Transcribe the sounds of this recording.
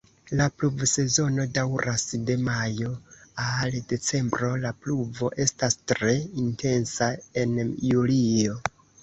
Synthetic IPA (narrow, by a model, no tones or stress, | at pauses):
lapluvse̞zo̞no̞dawɾʔasde̞majo̞alde̞t͡se̞mbɾo̞lapluvo̞ʔe̞stastɾe̞intʰe̞nsae̞njulio̞